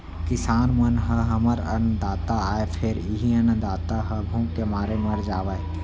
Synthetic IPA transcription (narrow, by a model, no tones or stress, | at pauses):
kɪsaːnmɐnɦəɦɐməɾɐ̰nəd̪aːt̪aaːepʰɪɾiɦiənə̃d̪aːt̪aɦɐbʱũːɡkemaːɾemɐɾd͡ʒaːʋaːe